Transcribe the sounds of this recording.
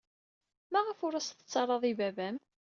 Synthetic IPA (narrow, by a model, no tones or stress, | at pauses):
mæʁəfʊɾæst̪ə̥t͡sːɑrˤːɑðˤivævæm